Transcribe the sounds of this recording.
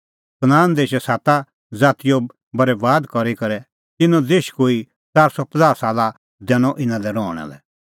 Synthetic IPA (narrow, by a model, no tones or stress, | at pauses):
snaːnd̪eːʃɛsaːt̪a | d͡zaːt̪ijɔ | bɐɾɛʋaːd̪kɔɾikɐɾɛ | t̪ɪnɔ̃deːʃkoːi | t͡saːɾsɔpəd͡zaːɾsaːla | d̪ɛːɽ̃ɔʔɪ̃nãlɛɾɔːɽ̃ɛ̰lɛ̰